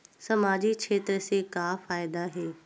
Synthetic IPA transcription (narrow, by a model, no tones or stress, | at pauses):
sɐmaːd͡ʑikʃʰeːt̪ɾəsekaːfaːɪd̪aɦeː